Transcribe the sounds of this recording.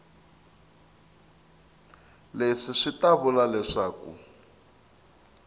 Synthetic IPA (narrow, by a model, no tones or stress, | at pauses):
leʂiʂitaβulalɛʂaːkṵ